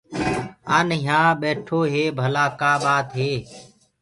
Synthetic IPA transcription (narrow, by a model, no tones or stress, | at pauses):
aːnɦãːɓeːʈʰoːɦeːbʱəlaːkaːɓaːt̪ɦeː